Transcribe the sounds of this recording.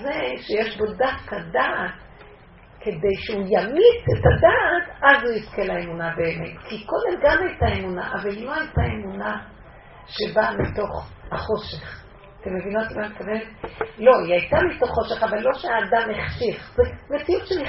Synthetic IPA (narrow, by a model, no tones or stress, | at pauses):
zeʃejeʃbo̞dafkadat | ke̞de̞jʃeujamit͡setadatazhuiskelaemunabe̞ːmetkʰiko̞demɡamajtaemuna̰ʔavalːo̞hajtae̞muna | ʃe̞bamito̞χaχo̞ʃe̞χ | at̪e̞mːevinotimametkavenetlo̞iajtamito̞χːo̞ʃe̞χavalːo̞ʃeaːdamheχʃiχzeme̞t͡siutʃeli